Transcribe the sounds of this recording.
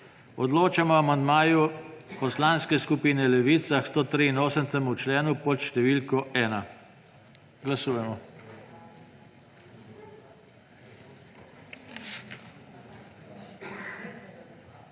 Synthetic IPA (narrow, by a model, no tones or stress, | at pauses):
ɔd̪loːt͡ʃamɔamand̪maːjupɔslaːnskɛskupiːnɛlɛʋiːt̪saxst̪oːt̪ɾiinoːsənt̪ɛmut͡ʃlɛːnupɔt̪ʃt̪ɛʋiːlkɔɛːna | ɡlasuːjɛmɔ